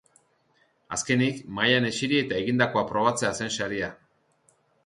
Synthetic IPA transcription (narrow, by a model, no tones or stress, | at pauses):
a̰ske̞nikmajane̞t͡ʃiɾie̞t̪ae̞ɣind̪ako̞apɾo̞β̞at͡se̞ase̞nsaɾia